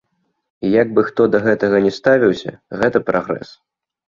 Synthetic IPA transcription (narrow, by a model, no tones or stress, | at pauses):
ijaɡ̚bɨxt̪ɔd̪ɐɣɛt̪ɐɣɐnʲɛst̪avʲiwsʲɐ̰ɣɛt̪ɐpɾʔaɣɾɛ̰s